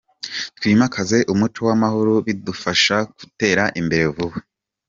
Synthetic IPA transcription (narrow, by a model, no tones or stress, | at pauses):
twiːmakʰaze̞ʔumut͡ʃo̞wamahuɾuβidufaʃaku̥te̞ːɾaʔimbe̞ɾe̞vuβwe